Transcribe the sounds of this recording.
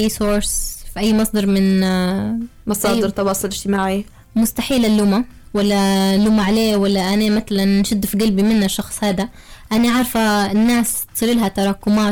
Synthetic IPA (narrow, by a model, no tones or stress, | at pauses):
ʔajːsoːɾˤsfiʔajːmɑsˤd̪ɑɾˤmɪn | mɑsˤɑːɪɾt̪ɑwɑːsˤʊlɪd͡ʒt̪ɪmaːʕi | mʊst̪aħiːlalːʊmawalːalːʊmaʕaleːwalːaʔanamat̪alanʃɪd̪ːfiɡalbimɪnːaʃːɑxsˤhaːd̪a | ʔanaʕɑɾˤfanːaːst̪sˤɨːlɪlɦat̪ɑɾˤɑːkʊmaː